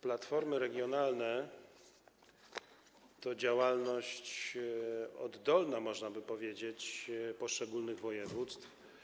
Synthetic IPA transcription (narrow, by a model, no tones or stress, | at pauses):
plat̪fɔɾmɘɾɛɡʲjɔnalnɛ | t̪ɔd͡ʑawalnɔɕt͡ɕ | ɔ̰d̪ːɔlnamɔʐnabɘpɔvʲjed͡ʑet͡ɕpɔʂt͡ʂɛɡulnɘɣvɔjɛvut̪st̪f